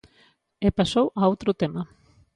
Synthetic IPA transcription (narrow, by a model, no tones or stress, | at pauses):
epasowaowt̪ɾʊt̪emɐ